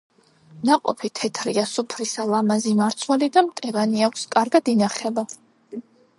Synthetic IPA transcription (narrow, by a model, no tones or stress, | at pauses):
naqʼɔ̰pʰit̪ʰɛt̪ʰɾiasupʰɾisalˠamazimaɾt̪sʰwɛlid̪amt̪ʼɛvaniakʷʰskʼaɾɡad̪inaχɛba